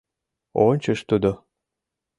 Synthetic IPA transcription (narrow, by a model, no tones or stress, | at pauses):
onʲt͡ɕə̆ʃt̪ud̪o